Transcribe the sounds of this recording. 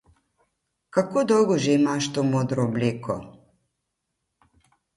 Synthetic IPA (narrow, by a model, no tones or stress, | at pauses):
kakoːd̪ɔwɡɔʒeimaʃt̪oːmoːd̪ɾɔblʲeːkʰɔ̰